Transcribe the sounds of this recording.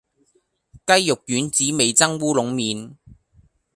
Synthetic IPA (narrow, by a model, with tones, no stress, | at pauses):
kɐ˥jːʊ˨k̚jyː˨˥nt͡siː˨˥me˨jt͡sɐ˥ŋwuː˥lʊ˨˥ŋmiː˨˧n